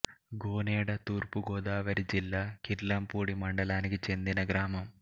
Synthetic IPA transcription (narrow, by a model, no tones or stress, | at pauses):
ɡoːneːɽɐt̪uːrpuɡoːd̪aːʋɐɾid͡ʑilːaːkiɾlampuːɽimɐɳɖɐlaːnikit͡ɕe̞nd̪inɐɡɾaːmɐm